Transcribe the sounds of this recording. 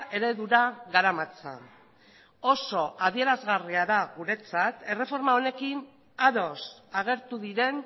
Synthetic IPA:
ʔe̞ɾe̞ðuɾaɣaɾamat͡sa̰ | o̞so̞ʔað̞ie̞ɾazɣariaðaɣuɾe̞t͡sat̪e̞re̞fo̞ɾmao̞ne̞kin | aðo̞saɣ̞e̞ɾt̪uðiɾe̞n

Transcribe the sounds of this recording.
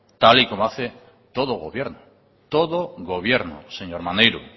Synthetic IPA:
t̪alikomoaθe | t̪oð̞oɣ̞oβje̞ɾno | t̪oðoɣoβ̞je̞ɾno̰seɲoɾmanejɾu

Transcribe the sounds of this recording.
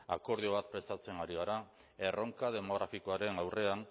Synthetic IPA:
a̰ko̞ɾðio̞β̞at̪̚pɾe̞st̪at͡se̞naɾiɣaɾa | e̞rʔo̞ŋkaðe̞mo̞ɣ̞ɾafiko̞aɾe̞nawre̞an

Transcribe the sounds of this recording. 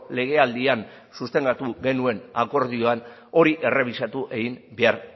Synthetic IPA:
le̞ɣ̞e̞ald̪ian | sust̪e̞ŋɡat̪uɣe̞nue̞nako̞ɾðio̞an | o̞ɾiʔe̞re̞β̞isat̪uʔe̞ɣimbe̞aɾ

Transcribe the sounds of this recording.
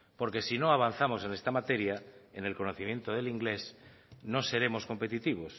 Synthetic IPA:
po̞ɾke̞sino̞aβ̞an̟θamo̞se̞ne̞st̪amat̪e̞ɾjaene̞lko̞noθimje̞nt̪oð̞eliŋɡle̞sno̞se̞ɾe̞mo̞sko̞mpe̞t̪it̪iβ̞os

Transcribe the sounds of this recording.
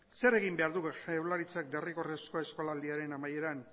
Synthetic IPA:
se̞ɾe̞ɣimbe̞aɾðuewlaɾit͡sak̚d̪e̞riko̞resko̞e̞sko̞laːld̪iaɾe̞namaje̞ɾan

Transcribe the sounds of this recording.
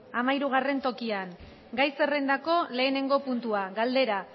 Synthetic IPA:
amaiɾuɣ̞are̞nt̪o̞kian | ɡajse̞rend̪ako̞le̞ːne̞ŋɡo̞punt̪uaɣald̪e̞ɾa

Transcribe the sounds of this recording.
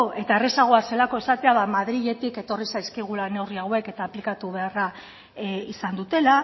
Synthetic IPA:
e̞t̪aere̞saɣ̞o̞ase̞lako̞e̞sat̪e̞aβamað̞ɾiʎe̞t̪ike̞t̪o̞risajskiɣ̞ulane̞wriawe̞ke̞t̪aːplikat̪uβe̞ara | isand̪ut̪e̞la

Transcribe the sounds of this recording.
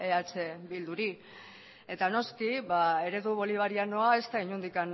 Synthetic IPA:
eat͡ʃe̞bild̪uɾi | e̞t̪ano̞skiβae̞ɾe̞ðuβ̞o̞liβaɾiano̞ae̞st̪aiɲund̪ikan

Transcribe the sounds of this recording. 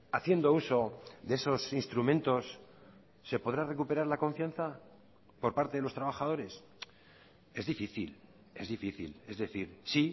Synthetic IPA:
aθje̞nd̪o̞uso̞ðeeso̞sinst̪ɾumẽ̞nt̪o̞sː | e̞po̞ð̞ɾare̞kupe̞ɾaɾlako̞ɱfjan̟θa | po̞ɾpaɾt̪e̞ðe̞lo̞st̪ɾaβ̞aχaðo̞ɾe̞s | e̞zðifiθil | e̞̰zðifiθḭle̞zðe̞θiɾsi

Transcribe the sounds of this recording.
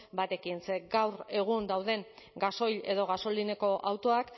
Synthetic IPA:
bat̪e̞kinseɡawɾe̞ɣ̞und̪awðe̞ŋɡaso̞jʎe̞̰ðo̞ɣ̞aso̞line̞ko̞ʔawt̪o̞ak

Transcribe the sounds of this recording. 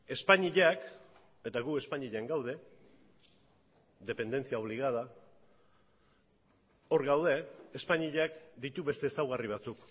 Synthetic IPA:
e̞spaɲiʎak | e̞t̪aɣue̞spaɲiʎeaŋɡawð̞e̞ | ðe̞pe̞nd̪e̞nt͡siao̞βliɣ̞aða | o̞ɾɣawð̞e̞ːspaɲiʎakd̪it̪uβe̞st̪e̞ːsawɣ̞ariβ̞at͡suk

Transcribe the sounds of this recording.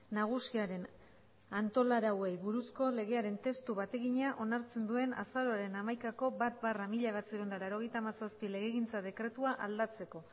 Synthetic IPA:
naɣ̞usiaɾe̞n | ant̪o̞laɾawe̞jβuɾusko̞le̞ɣe̞aɾe̞nt̪e̞st̪uβat̪e̞ɣiɲaʔo̞naɾt͡se̞nd̪ue̞na̰saɾo̞aɾe̞namajkako̞bat̪̚baramiʎaeβat͡siond̪alaɾo̞ɣ̞e̞jt̪aːmasaspile̞ɣeɣint͡saðe̞kɾe̞t̪uaʔald̪at͡se̞ko̞

